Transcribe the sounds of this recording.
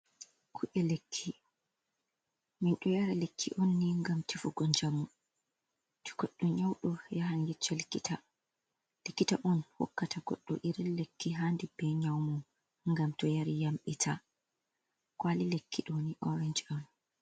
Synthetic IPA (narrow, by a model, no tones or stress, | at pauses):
kʰuʔɛlekʰːi | minɗɔjaɾalekːḭʔɔnːiŋɡamtʰifɔɡɔnd͡ʒamu | tu̥kɔɗːɔɲawɗɔjahanjɛt͡ʃːɔlkːita | likːitaʔɔnhɔ̰kːatʰaɡɔ̰ɗːɔ̰ʔiɾilekːiɦandibɛɲawmɔ | ŋɡamtɔjaɾijamɓitʰa | kwalilekʰːiɗɔniʔɔɾɛnd͡ʒɔn